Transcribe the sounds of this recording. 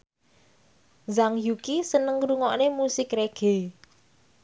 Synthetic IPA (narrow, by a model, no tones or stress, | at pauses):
zaŋjukisənəŋɾuŋɔʔnemusɪkɾeɡ̥e̤